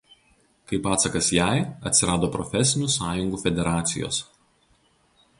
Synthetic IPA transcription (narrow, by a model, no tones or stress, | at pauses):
kɐɪpɑːt̪sɐkɐsjæɪɐt̪ʲsʲɪɾɑːd̪oːpɾɔ̰fʲɛsʲɪnʲusɑːjʊŋɡuːfʲɛd̪ʲɛɾɑːt̪sʲɪ̰jo̰ːs